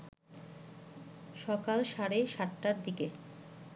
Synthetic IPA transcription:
ʃɔkalʃaɾeʃaʈːaɾd̪ike

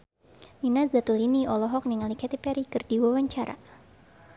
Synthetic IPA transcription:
minasdat̪uliniʔɔlɔɦɔk̚niŋalikɛt̪ipɛɾikɨrdiwawaɲt͡ʃaɾa̰

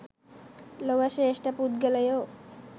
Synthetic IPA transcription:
lowaʃeeʃʈapud̪ɡelajo

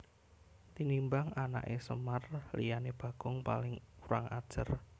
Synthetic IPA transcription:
t̪inimbaŋana̰ʔesəmarlijaneb̥a̤ɡ̥ʊŋpa̰lɪŋuɾaŋa̰d̥ʒ̥ər

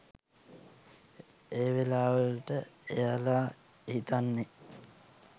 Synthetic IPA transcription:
eːʋelaːʋəlʈəejalaː | hit̪anːe

